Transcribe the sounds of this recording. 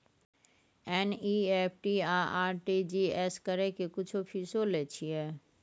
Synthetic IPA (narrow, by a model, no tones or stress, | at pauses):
eːnieːpʰʈiaːaːɾʈid͡ʑiːeːskəɾekekʊt͡ʃʰopʰisolet͡ɕʰiɛ